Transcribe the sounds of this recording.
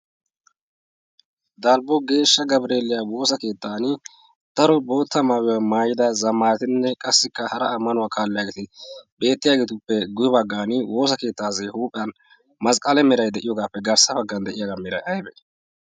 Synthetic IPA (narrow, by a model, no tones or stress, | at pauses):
d̪aːlbɔɡe̞ːʃːɐɡɐbɾe̞ːlɪjaːwo̞ːsɐke̞ːt̪ːaːnɪ | t̪ɐɾɔbo̞ːt̪ːɐmaːwɪwamaːjɪd̪ɐzɐmaːɾt̪ɪnːɛkʼɐsːɪkːɐhɐɾɐːmːɐnʊwaːkʰaːlːɪjaːɡeːt̪ɪbe̞ːt̪ːɪjaːɡeːt̪ʊpːɛɡʊjbɐɡːaːnɪwo̞ːs̬ɐke̞ːt̪ːaːzeːhuːpʼɪjɐn | mɐskʼɐlɛmɛɾɐjd̪ɛʔɪjɔɡaːpːɛɡɐɾsɐbɐɡːɐnd̪ɛʔɪjaːɡamɛɾɐjʔɐjbɛ